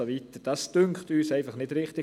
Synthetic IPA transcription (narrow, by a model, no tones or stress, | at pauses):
oʋitəd̥ɑsd̥ʏŋkχtyːsæɪfɑχnɪdɾɪχtɪ